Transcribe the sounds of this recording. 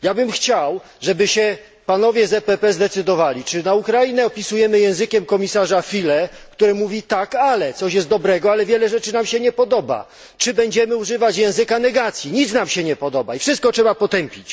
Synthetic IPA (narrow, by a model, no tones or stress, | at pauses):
jabɘmxt͡ɕaw | ʐɛbɘɕɛ | panɔvʲjɛzɛpɛpɛzd̪ɛt̪sɘd̪ɔvalʲit͡ʂɘnaukɾajinɛɔpʲisujɛmɘjɛ̃w̃zɘkʲɛmkɔmʲisaʐafʲilɛkt̪uɾɛmuvʲit̪akalɛt̪sɔɕjɛst̪̚d̪ɔbɾɛɡɔalɛvʲjɛlɛʐɛt͡ʂɘnamɕɛɲɛpɔd̪ɔba̰ | t͡ʂɘbɛɲd͡ʑɛmɘuʐɘvat͡ɕjɛ̃w̃zɘkanɛɡat̪sʲjiɲit̪snamɕɛɲɛpɔd̪ɔbaifʂɨst̪̚kɔtʂɛbapɔt̪ɛmpʲit͡ɕ